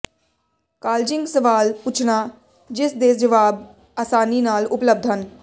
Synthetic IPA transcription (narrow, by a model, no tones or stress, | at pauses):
kaːld͡ʒɪ̃ŋɡsəʋaːlput͡ʃʰnaː | d͡ʒɪsd̪eːsd͡ʒəʋaːb | aːsaːniːnaːlʊpləb̚d̪ʱɦən